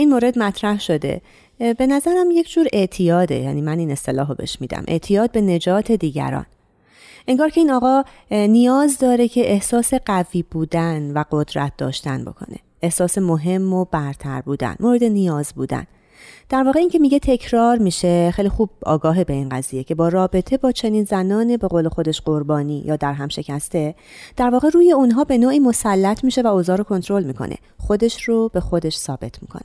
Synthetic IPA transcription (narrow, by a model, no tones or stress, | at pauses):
inmoːɾe̞d̪mæt̪ʰɾæhʃo̞d̪e̞̰ | be̞næzæɾæmje̞cʰd͡ʒuːɾe̞ʔt̪ʰijɒːd̪e̞̰jæ̰ːniːmæniːne̞st̪e̞lɒːɦobe̞̰ʃmiːd̪æ̰mʔḛʔt̪ʰijɒːd̪̚be̞ne̞d͡ʒɒːt̪ʰe̞d̪iːɟæ̰ɾɒ̰ːn | ʔeŋɡɒːɾcʰe̞iːnɒːɣɒː | nijɒːzd̪ɒːɾe̞cʰe̞ʔehsɒːse̞ɢæviːbuːd̪ænvæɢod̪ɾæ̰t̪̚ʰd̪ɒ̰ːʃt̪ænbo̞̰kʰo̞̰ne̞̰ʔe̞hsɒːse̞mo̞ɦe̞mːo̞bæɾt̪ʰæɾbuːd̪æ̰nmoːɾe̞d̪e̞nijɒːzbuːd̪æ̰n | d̪̥æɾvɒːɣeiːŋcʲʰe̞miːɟe̞t̪ʰe̞cʰɾɒːɾmiːʃe̞χejlixuːb̥̚ɒ̰ːɡɒːɦebe̞inɢæ̰ziːje̞cʰe̞bɒːɾɒːbe̞t̪ʰe̞bɒːt͡ʃʰe̞niːnzænɒːnebe̞ɣole̞xo̞d̪e̞ʃɢ̥o̞ɾbɒːniːjɒːd̪æɾɦæmʃe̞cʰæst̪e̞d̪̥æɾvɒːɣe̞ɾuːje̞unɦɒːbe̞noːʔiːmo̞sælːæt̪ʰmiːʃe̞væoːzɒːɾokʰo̞nt̪ʰɾo̞lmiːkʰo̰nʔḛ | χo̞d̪e̞ʃɾob̥e̞xo̞d̪e̞ʃsɒːb̥e̞t̪ʰmḭːkʰone̥